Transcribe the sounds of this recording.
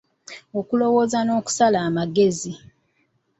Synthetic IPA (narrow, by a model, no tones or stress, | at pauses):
o̞kulo̞wo̞ːzano̞ːku̥salaːmaɡe̞zi